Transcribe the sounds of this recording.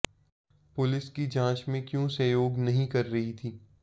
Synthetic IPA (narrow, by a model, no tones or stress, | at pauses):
pʊlɪskid͡ʒãːt͡ʃmẽkjũsɐjoːɡnɐɦĩkɐɾːɐɦit̪ʰiː